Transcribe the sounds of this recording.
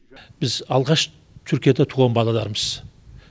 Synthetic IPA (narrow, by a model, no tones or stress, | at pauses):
b̥ɪzɑlˠʁɑʃ | t̪ʰʏɾkʲijad̪at̪ʰuːʁɑnbɑlˠɑlˠɑɾməz̥